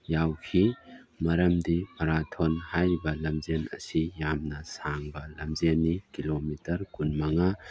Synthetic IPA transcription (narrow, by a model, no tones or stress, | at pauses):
jawkʰi | mɐɾɐmdipʰɐɾatʰɔnhajbɐlɐmzenɐ̰sijamnɐsaŋbɐlɐmzenːikilomitɐɾkunmɐŋa